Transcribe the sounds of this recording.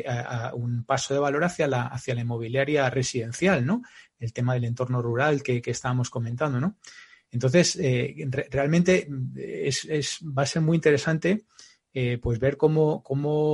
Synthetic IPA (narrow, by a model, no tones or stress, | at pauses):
aaunpaso̞ð̞e̞β̞alo̞ɾaθjalaaθjalaimo̞βiljaɾjare̞siðẽ̞n̟θjalno̞ | e̞lt̪e̞maðe̞le̞nt̪o̞ɾno̞ruɾalke̞ke̞ːst̪aβamo̞sko̞mẽnt̪and̪o̞no | e̞nt̪o̞nθe̞serere̞almẽnt̪e̞esezbaːse̞ɾmuint̪e̞ɾe̞sant̪e̞ | epwe̞zβe̞ɾko̞moko̞mo